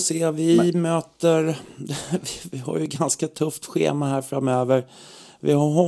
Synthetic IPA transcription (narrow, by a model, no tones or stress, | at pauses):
seːvɪmøːt̪əɾ | vɪvɪɦa̰ɾjəɡanskat̪ʰɵft̪ɧḛːmaɦæːɾfɾamøːvəɾ | vɪ̰haɦɔ